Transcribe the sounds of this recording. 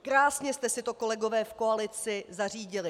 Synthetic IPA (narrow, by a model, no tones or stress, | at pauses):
kɾaːsɲɛst̪ɛsɪt̪o̞ko̞lɛɡo̞vɛːfko̞alɪt͡sɪzar̝iːɟɪlɪ